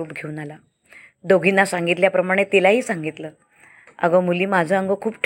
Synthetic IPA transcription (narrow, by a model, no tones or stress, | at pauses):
uːpɡʱeuːnala | d̪oɡʱinːasaŋɡit̪ljapɾəmaɽ̃et̪elaɦiːsaŋɡit̪ləː | ə̰ɡəmuliːmad͡zʱəəŋɡəkʰuːpʈʰ